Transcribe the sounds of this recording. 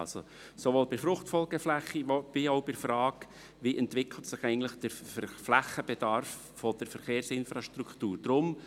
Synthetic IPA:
ɑ̰lso̰ | soʋoːlbɪɾfɾʊχtfɔlˠɡəflæχːib̥iɔʊbɪɾfɾɑːk | ʋiʔɛntʋɪkʰl̩ətsɪχɛɪɡn̩tlɪχd̥əɾfflæχəb̥ɛd̥̪ɑɾfːɔd̪̥əɾfəɾχeːɾsɪnfɾɑʃtɾukʰtuːɾd̥ɾʊm

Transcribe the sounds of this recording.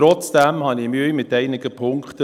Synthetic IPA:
ɾɔt͡sd̥æmhɑnimyəjmɪtæɪnɪɡəpʰʊŋkχtə

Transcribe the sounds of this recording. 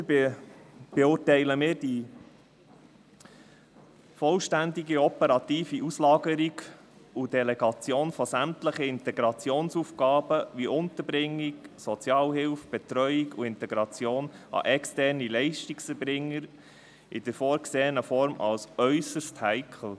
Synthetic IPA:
b̥ɛʊːtɛɪləmɪːɾd̥i | fɔlʃtænd̪iɡiɔpəɾɑt̪iːfiʔuslɑːɡəɾiɡ | udɛlɛɡɑt͡sjoːnfɔsæmtləχəɪnt̪ɛɡɾɑt͡sjoːnsufɡɑːbəʋiʔʊnt̪əɾbɾɪŋːɪksɔt͡sjɑːlhɪlfb̥ɛt̪ɾœʏiɡuɪnt̪ɛɡɾɑt͡sjoːnɑ̰ʔɛkstɛɾnilɛɪʃtiksɛɾbɾɪŋːəɾ | ɪd̥əɾfɔːɾkseːənəfɔɾmʔɑ̰lsœʏsəsthɛɪkʰl̩

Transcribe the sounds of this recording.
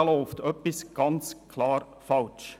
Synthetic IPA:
lɔʊft̪œpɪsɡ̥ɑnt͡sʰlɑːɾ | fɑlt͡ʃ

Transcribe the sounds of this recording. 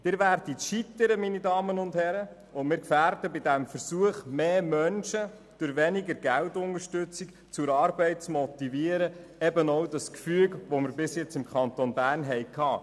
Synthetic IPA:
d̥̪ɪːɾʋæɾditʃitəɾəminidɑːmənʊndhɛɾə | ʊnmɪːɾkfæːɾdəbɪdæmfəɾsuəχmeːmœnʃə | d̥ʊɾʋɛniɡəɾɡæltʊnəʃtʉt͡sik | t͡sʊɾɑːɾbɛɪt̚t͡smɔt̪iviːəɾəɛbənowdɑskfyːɡʋɔmɪɾbɪsjɛt͡sɪmkχɑnt̪onbæːrnɦɛɪkʰɑː

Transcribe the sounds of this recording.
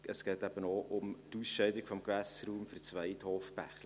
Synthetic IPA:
əsɡ̥ɛːtæb̥ənɔʔʊmtusʃɛɪdɪkfɔmkvæsɾuːmfʏrt͡svæɪthoːfpæ̰χlə

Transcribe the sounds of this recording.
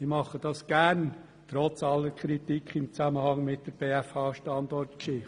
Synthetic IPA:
ɪmɑχəd̥ɑsɡ̥æɾn | tɾɔt͡sɑlːəɾkʰɾitikʰɪmt͡sæməhɑŋmɪt̚d̥əɾb̥eːæfɑːʃtɑndɔrtkʃɪ

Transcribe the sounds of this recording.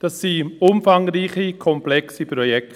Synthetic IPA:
d̥ɑsːiʊmfaŋriːχikʰɔmplɛksipɾɔjɛk

